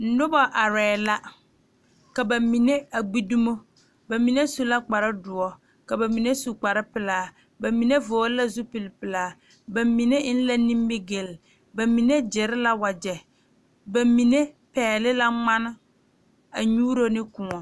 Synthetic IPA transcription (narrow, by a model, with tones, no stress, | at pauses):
n̩˨˦nʊ˦bɔ˦ʔa˨ɾɛː˨la˦ | ka˨ba˨mi˨ne˦a˨ɡ͡bi˦du˦mo˦ | ba˨mi˨ne˦su˨la˦k͡pa˨ɾɪ˦dʊ˨ɔ˨ | ka˨ba˨mi˨ne˦su˨k͡pa˨ɾɪ˦pɪ˨laː˨˦ | ba˨mi˨ne˦voː˨˦la˦zu˦pɪ˨lɪ˨pɪ˨laː˨˦ | ba˨mi˨ne˦n̩˦la˦ni˦m˦bɪ˦ɡe˨l | ba˨mi˨ne˦d͡ʒɪ˨ɾɪ˦la˦wa˨d͡ʒɛ˨ | ba˨mi˨ne˦ | pɛː˨lɪ˦la˦ŋ͡ma˦nɪ˦ | a̰˨ɲuː˦ɾo˦nɪ˦kʊ˨ŋɔ˨